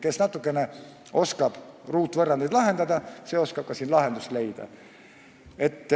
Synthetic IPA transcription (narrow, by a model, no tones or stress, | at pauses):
ke̞snɑt̪ːˑukːˑe̞ne | o̞skɑb̥ruːt̪ːˑvɤrːɑnd̪ejd̪lɑɦe̞nd̪ɑd̪ɑse̞ːo̞skɑb̥̚kɑsiːnlɑɦe̞nd̪usle̞jd̪̥ɑ̰ | e̞t̪ː